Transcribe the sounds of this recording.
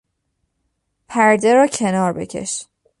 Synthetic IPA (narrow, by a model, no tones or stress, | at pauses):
pʰæɾd̪e̞ɾɒːcʰe̞nɒːɾbe̞̰cʲʰe̞̰ʃ